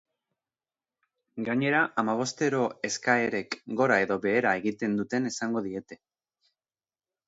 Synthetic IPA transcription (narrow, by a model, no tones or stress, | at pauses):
ɡaɲe̞ɾaʔamaβ̞o̞st̪e̞ɾo̞e̞skae̞ɾe̞kɡo̞ɾae̞ðo̞βe̞ːɾae̞ɣit̪e̞nd̪ut̪e̞ne̞saŋɡo̞ðie̞t̪e̞